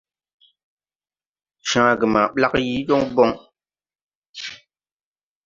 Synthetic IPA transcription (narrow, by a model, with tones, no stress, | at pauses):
ʃãː˨˦a˨ɡə˨ma˨ɓla˦kji˨˦jɔ˦ŋbɔ˦ŋ